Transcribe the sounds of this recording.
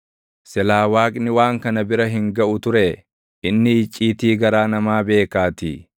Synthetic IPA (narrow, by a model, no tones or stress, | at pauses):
sɛlaːwaːkʼnɪwaːŋkɐnɐbɪɾɐɦɪŋɡɐʔʊt̪ʊɾeː | ɪnːɪːt͡ʃʼːiːt̪iːɡɐɾaːnɐmaːbe̞ːkaːt̪ḭ